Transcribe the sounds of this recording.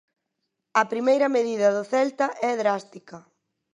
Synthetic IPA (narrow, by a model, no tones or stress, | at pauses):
ɐpɾimejɾɐmeðiðɐðʊθɛlt̪ɐʔɛðɾast̪ikɐ